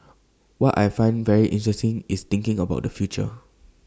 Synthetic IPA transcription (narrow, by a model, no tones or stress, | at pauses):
wɔta̰jfãɪ̃nvɛɹiʔɪ̃ntɹɛstɪ̃ŋist̪ɪ̃ŋkɪ̃ŋəbaʊt̚dəfjut͡ʃə̰